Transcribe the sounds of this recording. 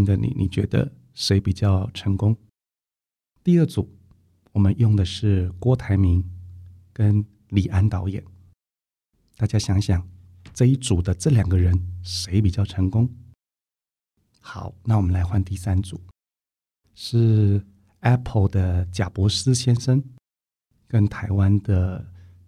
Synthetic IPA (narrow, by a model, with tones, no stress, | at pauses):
ŋd̪ə˨nḭ˨˩nʔḭ˨˩t͡ɕɥɛ˧˥d̪ə̰˧ | ʂe˧˥ɪpi˨˩t͡ɕjɑ˥˩ʊʈ͡ʂʰɤ˧˥ŋkʊ˥ŋ | t̪i˥˧ə˥˩t͡su˨˩ | wɔ˨˩mə˦njʊ˥˩ŋd̪ə˩ʂɻ̩˥˩kwɔ˥t̪ʰa˧˥ɪmi˧˥ŋkə˥n | li˨˩ʔa˥nt̪ɑ˧˥ʊjɛ̰˨˩˦n | t̪a˥˩t͡ɕja˥ɕjɑ˧˥ŋɕjɑ˨˩˦ŋ | ʈ͡ʂɤ˥˧i˥˩t͡su˨˩d̪ə˦ʈ͡ʂɤ˥˩ljɑ˨˩ŋɡə˦ɻə˧˦nʂe˧˥ɪpi˨˩t͡ɕjɑ˥˩ʊʈ͡ʂʰɤ˧˥ŋkʊ˥ŋ | xɑ˨˩˦ʊna˥˩wɔ˨˩mə˦nla˧˥ɪxwa˥˧nt̪i˥˩sa˥nt͡su˨˩˦ | ʂɻ̩˥˩ | ɛ˥pʰə˧˩ld̪ə˨t͡ɕja˨˩pwɔ˧˥sɹ̩˥ɕjɛ˥nʂə˥n | kə˦˥nt̪ʰa˧˥ɪwa˥nd̪ə˨